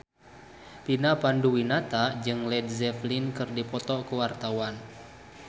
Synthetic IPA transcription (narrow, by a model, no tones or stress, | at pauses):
pinapanduwinat̪ad͡ʒɨŋlɛdzɛflinkɨrdipɔt̪ɔkuwart̪awan